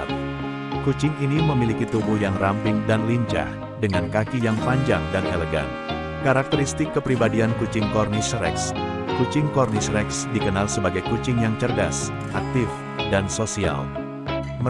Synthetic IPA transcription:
t̪̚ | kut͡ʃɪŋiniməmilikit̪ubuhjaŋrampɪŋdanliɲt͡ʃa̰h | dəŋankakijaŋpaɲd͡ʒaŋdaneləɡa̰n | kaɾak̚t̪əɾist̪ɪkːəpɾibadiankut͡ʃɪŋkɔrnisɾɛ̰ks | kut͡ʃɪŋkɔrnisɾɛksdikənalsəbaɡajkut͡ʃɪŋjaŋt͡ʃərɡa̰s | ʔak̚t̪ɪf | dansosia̰l | mə

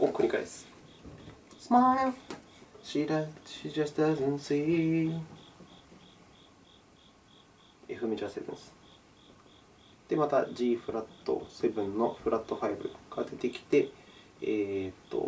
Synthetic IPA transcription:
okɯ̟ɲ̟ʲikaid̪esɨ̥ | smae | ɕiɾaɕiɾast̪azẽnsɨ | e̞̰ɸɯ̟mʲed͡ʑase̞bɯ̟̃ñsɨ̥ | d̪̥emat̪ad͡ʑiːɸɯ̟ɾat̪ːo̞̰se̞bɯ̟̃nːo̞ɸɯ̟ɾʔat̪ːo̞ɸaibɯ̟̰ɡ̥ad̪e̞t̪e̞kʲi̥t̪e̞ː | t̪ːo̞̰

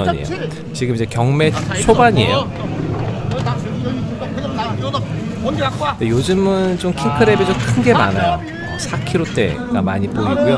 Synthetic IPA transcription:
ʌɲiejo | t͡ɕiɡɯmid͡ʑe̞kjʌŋme̞t͡ɕʰobaɲie̞̰jo | dejod͡ʑɯmɯnt͡ɕomkʰiŋkʰɯɾebid͡ʑomkʰɯnɡe̞manajo | sʰakʰiɾot͈e̞̰ɡa̰maɲipoiɡjo

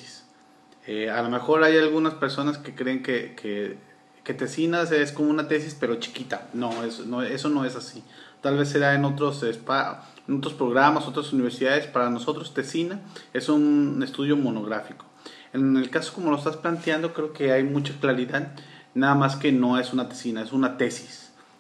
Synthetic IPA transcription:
is | ealome̞xo̞ɾajalɣunaspeɾso̞naske̞kɾe̞ːŋkekʰe | ke̞t̪e̞sinasesko̞moũnat̪e̞sispe̞ɾo̞t͡ʃi̥kit̪ano̞esnoe̞so̞no̞esasit̪alβe̞sːeaeno̞t̪ɾo̞sespa | eno̞t̪ɾo̞spɾo̞ɣ̞ɾamaso̞t̪ɾasuniβeɾsiðaðe̞spaɾano̞so̞t̪ɾo̞st̪e̞sinae̞sunest̪uð̞jo̞mono̞ɣɾafiko̥ | e̞ne̞lkaso̞̥ko̞mo̞loest̪asplant̪jand̪o̞kɾe̞oke̞ajmut͡ʃaklaɾiðaðnaðamaske̞no̞e̞sunat̪e̥sinae̞sunat̪e̞si̥s

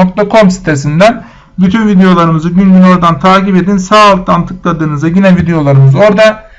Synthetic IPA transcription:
ok̚t̪ʰakʰo̞msi̥t̪ʰe̞s̬ind̪æn | byt̪ʰynvid̪ejo̞lˠaɾɯmɯzɯɟynɟyno̞ɾd̪ant̪ʰaːcipe̞d̪insaːlˠt̪̚d̪ant̪ʰɯklˠad̪ɯːnɯzaɟinɛvid̪ejo̞lˠaɾɯmɯzo̞ɾd̪a

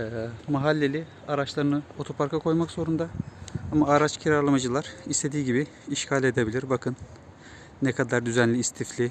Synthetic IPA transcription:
ɛmaɦalʲːe̞lʲi | aɾat͡ʃlˠaɾɯnɯo̞t̪ʰo̞pʰaɾkakʰo̞jmakz̥o̞ɾund̪aamaaɾat͡ʃcʰiɾaɾlˠamad͡ʒɯlˠaɾ̥ist̪ʰe̞d̪iːɟibiː | ʃcʰalʲe̞d̪ebilʲiɾbakʰɯnː | ɛkʰad̪aɾd̪yzænlʲiːst̪ʰiflʲi

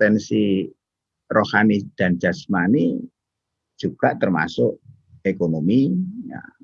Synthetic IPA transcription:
pɛnsi | rohanid̪̥and͡ʒ̥asmani̥ | ʒ̥ub̥ɾaʔt̪ərma̰sʊʔ | ekonomija̰

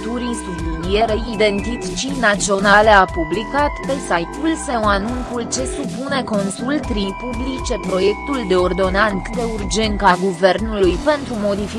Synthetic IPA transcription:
t̪uɾisubinijeɾeid̪e̞nt̪it̪t͡ʃinat̪sio̞naleapublikat̪pe̞sajt̪ulsewanunkult͡ʃe̞supune̞ko̞nsult̪ɾijpublit͡ʃe̞pɾo̞je̞kt̪uld̪e̞ord̪o̞nant̪d̪e̞urd͡ʒe̞nt̪aɡuve̞rnulujpe̞nt̪ɾumo̞d̪ifi

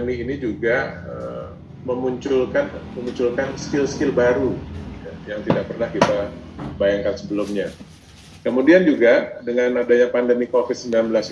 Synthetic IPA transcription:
miːnid͡ʒuɡaə̰ | məmuɲt͡ʃʊlkanməmuɲt͡ʃʊlkansə̥kɪlskɪlbaɾuajaŋt̪idak̚pərnahkit̪abajaŋkansəbəlʊmɲa | kəmudiand͡ʒuɡadəŋanadaɲapandəmikofɪt̪̚səmbilanbəlas

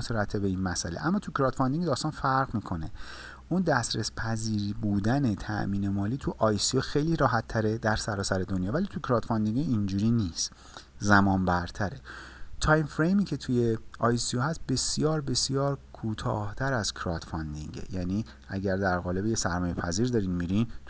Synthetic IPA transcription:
soɾæt̪ʰːebe̞inmæsʔæ̰leʔæmːɒːt̪ʰucʰɾɒt̪fɒnd̪iŋɡed̪ɒːst̪ɒːnfæɾɣmiːkʰo̞ne̞ | ʔund̪æsɾespʰæziːɾbuːd̪ænet̪ʰæ̰ʔmiːne̞mɒːliːt̪ʰuʔɒːjsioxejliːɾɒːɦæt̪ʰːæɾe̞d̪æɾsæɾɒːsæɾe̞d̪o̞njɒːvæliːt̪ʰucʰɾɒːt̪fɒnd̪iŋɡiind͡ʒuːɾiniːst̪ | zæmɒːmbæɾt̪ʰæɾe̞ | t̪ʰɒjmfɾejmiːcʰe̞t̪ʰuje̞ɒːjsiohæst̪̚be̞sjɒːɾbe̞sjɒːɾkʰuːt̪ʰɒ̰ːht̪ʰæɾæz̥kʰɾɒt̪fɒnd̪ḭŋɟḛjæniː | ʔæɟæɾd̪æɾɣɒːle̞bejesæɾmɒːje̞pʰæziːɾd̪ɒːɾinmiɾint̪

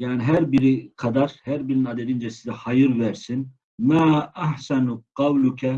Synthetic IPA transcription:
jaːniɦæɾbiɾiqʰɑd̪aɾhæɾbiɾininɑd̪ed̪ind͡ʒɛsizɛhɑjɯɾvæɾsin | maːaħsanqɑwlukʰɛ

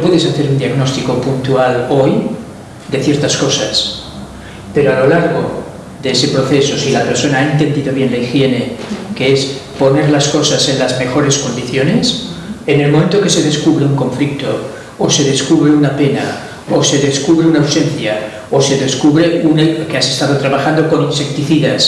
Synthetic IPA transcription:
pweðesaθe̞ɾund̪iaɣno̞st̪iko̞punt̪ualo̞j | d̪e̞θje̞ɾt̪asko̞sas | pe̞ɾoalo̞laɾɣo̞ | ðeese̞pɾo̞θe̞so̞silape̞ɾsonaaent̪e̞nd̪iðo̞βje̞nlaixje̞ne̞keespo̞ne̞ɾlasko̞sase̞nlazme̞xo̞ɾe̞sko̞nd̪iθjo̞nesene̞lmõment̪oke̞se̞ðe̞skuβɾe̞uŋko̞ɱflikt̪o | ose̞ðeskuβɾeunape̞na̰ | ose̞ðe̞skuβɾeunawse̞nθja | ose̞ðe̞skuβɾeunkease̞st̪að̞o̞t̪ɾaβaxand̪o̞ko̞ninse̞k̚t̪iθiðas

